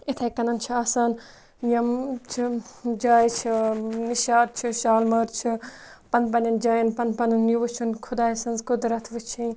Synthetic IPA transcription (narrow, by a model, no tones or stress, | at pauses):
it̪ʰɐkɐnɐnt͡ʃʰiɐːsaːn | jɐmt͡ʃʰid͡ʒaːjt͡ʃʰiniʃaːɾ̚t͡ʃʰuʃaːlmɐːɾt͡ʃʰi | pɐnd̪pɐnɐnd͡ʒaːjɐnpɐnpɐnɨnːuʋut͡ʃʰunkʰud̪aːjsɐnzkud̪ɾɐt̪ʰʋɨt͡ʃʰin